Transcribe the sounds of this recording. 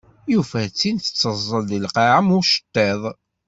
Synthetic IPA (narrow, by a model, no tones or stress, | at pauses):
jufæt͡sːint̪ə̥t͡sːəzˤːəlðilqɑʕəmʊɾʃə̥t̪ːeðˤ